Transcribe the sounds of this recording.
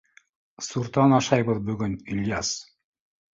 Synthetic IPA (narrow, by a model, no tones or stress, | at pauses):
suɾt̪ɑnɑʃɑjbɯðbyɡɵnilʲjas